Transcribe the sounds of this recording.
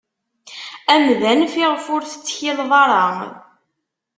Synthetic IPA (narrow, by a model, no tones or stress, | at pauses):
æmðænfiʁfʊɾθə̥t͡sːçilðˤɑɾˤɑ